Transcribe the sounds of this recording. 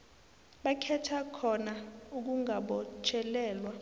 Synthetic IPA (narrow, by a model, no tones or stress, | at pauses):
ɓakʰɛtʰakʰɔnauk̬uŋaɓɔt͡ʃʰʼɛlɛːlwa